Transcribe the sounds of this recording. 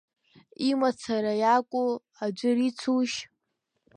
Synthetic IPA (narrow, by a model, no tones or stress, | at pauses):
imat͡sʰaɾajakʷʼu | ad͡ʒʷʊrit͡sʰuʃ